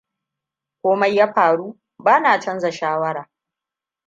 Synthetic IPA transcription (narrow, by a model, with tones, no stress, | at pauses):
kʷoː˦mɐ˦jːaː˦ɸaː˨ɽuː˦ | baː˦naː˨t͡ʃɐ˦nza˨ʃaː˦wɐ˦ɾaː˨